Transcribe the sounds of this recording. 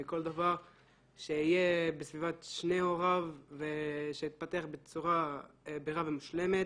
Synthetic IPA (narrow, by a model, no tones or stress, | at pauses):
iko̞ld̪avaʁ | ʃeijebesvivat̪ʃne̞oʁavːeʃeit̪̚pat̪eaχbet͡suʁabeʁavemuʃle̞me̞t̪